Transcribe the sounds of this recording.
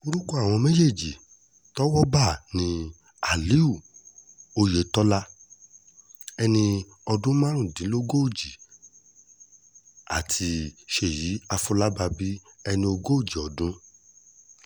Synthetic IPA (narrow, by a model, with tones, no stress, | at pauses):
o˧ɾu˦kɔ˦a˨w̃ɔ̃˧me˦je˦˨d͡ʒi˨ | tɔ˦wɔ˦ba˦˨nĩ˧ | a˨li˨˦u˦˨ | o˧je˨tɔ˦la˦ | ɛ˧nĩ˧ | ɔ˧dũ˦mãː˦ɾ̃ũ˦˨dĩ˨˦lo˦ɡo˦o˦˨d͡ʒi˨ | a˨tʰi˧ʃe˨ji˨˦a˧fu˧˦la˦ba˧bi˦ɛ˧nĩ˧o˧ɡo˦o˦˨d͡ʒi˨ɔ˨dũ˦